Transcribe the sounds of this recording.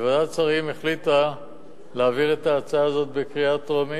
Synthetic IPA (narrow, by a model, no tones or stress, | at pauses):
vadat͡saʁimeχlit̪a | leːviʁe̞t̪aːt͡saːzo̞t̪̚bekʁiat̪oʁami